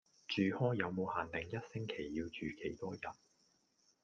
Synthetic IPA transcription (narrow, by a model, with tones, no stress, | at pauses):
t͡ʃyː˨˩hɔː˥jɐ˨˧wmo˨˧whaː˨nt̪ɪ˨˩ŋjɐ˥t̚sɪ˥ŋkʰe˨˩jːiː˧wt͡ʃyː˨kʰe˨˩jt̪ɔː˥jɐ˨˩n